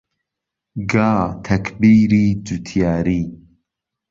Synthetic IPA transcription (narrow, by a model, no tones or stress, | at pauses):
ɡaːt̪ʰɐkʰbiːɾiːd͡ʒut̪ʰijaːɾiː